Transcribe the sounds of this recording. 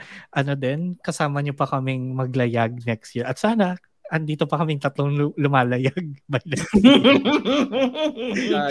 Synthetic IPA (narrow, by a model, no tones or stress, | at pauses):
ʔɐno̞d̪ɛnkɐsaːmɐɲopɐkɐmɪŋmɐɡlɐjaɡ̚nɛkst̪jiɹʔɐt̪saːnɐ | ʔɐnd̪iːt̪o̞pɐkɐmɪŋt̪ɐt̪loŋlʊmaːlɐjaɡ̚bɐjlɛ